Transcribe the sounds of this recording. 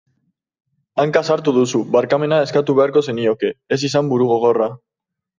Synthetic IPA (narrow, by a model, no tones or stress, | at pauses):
aŋkasaɾt̪uðusuβaɾkame̞nae̞skat̪uβe̞aɾko̞se̞nio̞ke̞es̬isambuɾuɣo̞ɣ̞o̞ra